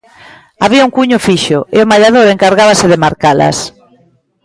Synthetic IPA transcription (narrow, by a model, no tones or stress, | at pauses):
aβiauŋkuɲʊfiʃʊeomaʎaðoɾeŋkaɾɣaβ̞asɪðemaɾkalɐ̰s